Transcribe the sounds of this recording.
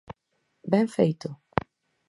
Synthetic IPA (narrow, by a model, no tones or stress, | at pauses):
bẽŋfejt̪ʊ